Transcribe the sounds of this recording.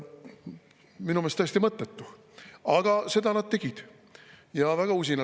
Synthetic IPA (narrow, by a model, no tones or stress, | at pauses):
minumest̪æːst̪imɤt̪ːˑet̪ːu | ɑɡ̥ɑse̞d̪ɑnɑd̪̚t̪e̞ɡ̥id̪̥ | jɑvæɡ̥ɑus̬ʲinɑ